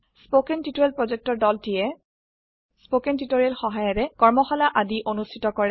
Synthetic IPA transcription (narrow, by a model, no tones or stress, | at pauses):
spokɛntitoɛlpɹozek̚tɔɹdɔltijɛ | spokɛntitoɹialxɔɦajɔɹɛkɔɹmɔxɔlaʔadiʔonustʰitɔkɔɹɛ